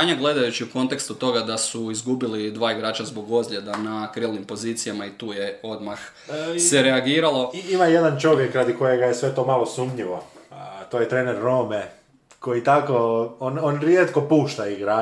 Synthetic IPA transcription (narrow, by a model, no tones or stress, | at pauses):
aɲaɡle̞d̪ajut͡ɕiuko̞nt̪e̞kst̪ut̪o̞ɡad̪asuizɡubilid̪ʋaːiɡɾaːt͡ʃazbo̞ɡo̞zlʎʲe̞d̪anakɾilˠnimpo̞ziːt̪sijamait̪uːjeo̞d̪max | sseɾeaɡiːɾalˠoimaje̞d̪ant͡ʃo̞ʋjekːɾad̪iko̞jeɡajesʋe̞t̪o̞malˠosuːmɲiʋot̪oːjet̪ɾeːneɾːo̞me | ko̞jit̪akoononɾjet̪ko̞puːʃt̪aiɡɾaː